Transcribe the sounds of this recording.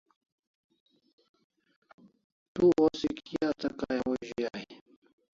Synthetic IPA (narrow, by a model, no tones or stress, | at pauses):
t̪uosikijaːt̪ɐkaːjawoʑijaj